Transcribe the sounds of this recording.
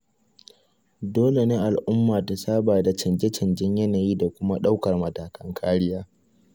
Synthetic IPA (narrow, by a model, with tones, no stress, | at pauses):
doː˦le˨neː˦ʔa˨lʔʊ˦mːaː˨ta˨saː˦baː˨da˨t͡ʃɐ˨nd͡ʒɛ˦t͡ʃɐ˨nd͡ʒɪ˦ɲjɐ˦naː˨jiː˦da˨kʷʊ˦ma˦ɗa˦wkɐ˨rmɐ˨taː˨kɐ˦ŋkʰaː˦ɽɪ˦jaː˦